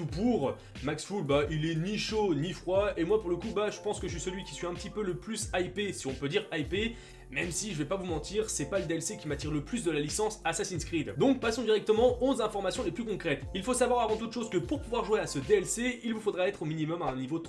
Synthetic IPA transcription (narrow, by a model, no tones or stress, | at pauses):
t̪upuʁ | maksfulbaʔilɛniʃonifχwaemwapuʁləkubaʒəpɑ̃skəəs̬isəlɥikʲi̥sɥiɛ̃pət̪ipøləplysaipesiɔ̃pød̪iʁajpe | mɛmsiʒəvɛpavumɑ̃t̪iʁsɛpaləd̪eɛlsekʲimat̪iʁləplys̬d̪əlalisɑ̃sasasinskχid̪d̪ɔ̃k̚pasɔ̃d̪iʁɛk̚t̪əmɑ̃ʔɔ̃zɛ̃fɔʁmasjɔ̃leplykɔ̃kχɛt̪ilfosavwaʁavɑ̃t̪ud̪əʃozkəpuʁpuvwaʁʒweasəd̪eɛlseilvufod̪ʁaɛt̪χominimɔmaɛ̃nivot̪